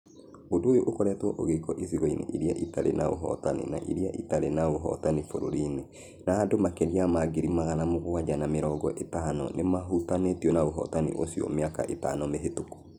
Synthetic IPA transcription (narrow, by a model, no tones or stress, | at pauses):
odoojoʔokɔɾɛtwɔʔoɣekɔʔisiɣɔinḛʔiɾiaʔitaɾḛnʔa̰o̰ɦɔ̰tanḛna̰ʔḭɾijaʔitaɾenaoɦɔ̰tanifoɾo̰ɾine | naːdomakeɾiamaɡeɾimaɣanamoɣowad͡ʒanameɾɔɡɔʔetanɔ̰nʔemaɦutanetiɔnaoɦɔ̰tanḭʔosiɔ̰meaka̰ʔeta̰nɔmeɦetoko̥